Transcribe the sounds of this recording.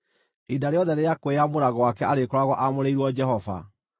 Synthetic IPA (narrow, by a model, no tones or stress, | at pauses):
idaɾeɔðɛɾejakweamoɾaɣɔwakɛʔaɾekɔɾaɣɔʔamoɾeiɾwɔd͡ʒɛɦɔva̰